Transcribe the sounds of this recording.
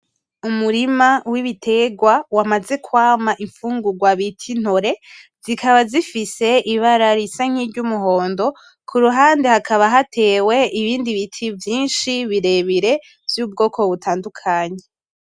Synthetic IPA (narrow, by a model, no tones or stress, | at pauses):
umuɾimawiβitʰe̞ɡwawamaze̞kwaːmaʔiɱfuːŋɡuɡwaβitʰin̥hoɾe̞ | zikaβazifise̞ʔiβaɾaɾisaŋ̥ivɟumuɦo̞ːndo̞ | kʰuɾuɦaːndehakʰaβaɦatʰe̞we̞iβiːndiβitʰivjiːnʃiβiɾe̞βiɾe̞ | vjuːb̚ɡo̞ːkʰo̞βutʰaːndukʰaːɲe̞